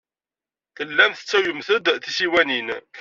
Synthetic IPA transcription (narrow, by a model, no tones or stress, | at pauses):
θəlːæmθə̥t͡sːæwjəmθəd̪θisiwænin